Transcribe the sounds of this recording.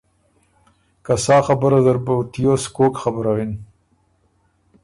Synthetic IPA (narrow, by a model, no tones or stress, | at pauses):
kasɑːxabəɾazəɾbat̪ijoskokxabəɾawen